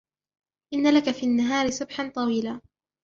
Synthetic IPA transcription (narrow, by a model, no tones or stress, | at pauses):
ʔɪnːalakafiːanːaɦɑːɾɪsˤʊbħant̪ˤɑwiːlaː